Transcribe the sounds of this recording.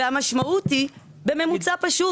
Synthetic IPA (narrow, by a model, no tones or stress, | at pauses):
amaʃmauti | be̞me̞mut͡sapaʃu